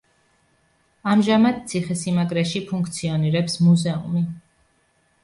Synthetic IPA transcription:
amʒamad̪̥̚t̪sʰiχɛsimaɡʼɾɛʃipʰuŋkʰt̪sʰiɔniɾɛpsmuzɛṵmi

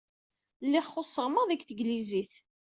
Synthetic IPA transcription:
lːɪχːosˤːəʁməðækθəɡliziθ

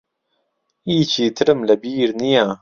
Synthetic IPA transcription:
iːt͡ʃʰiːt̪ʰɨɾɨmlɐbiːɾnijaː

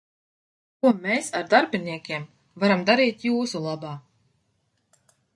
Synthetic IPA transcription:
kuɔmɛːsaɾd̪aɾbʲinʲikʲiɛm | vaɾamd̪aɾiːt̪juːsulˠabaː

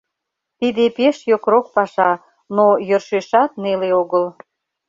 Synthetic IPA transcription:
t̪id̪epeʃjokɾok̚pɑʃɑ | nojørʃeʃɑt̪̚neleoɣəl

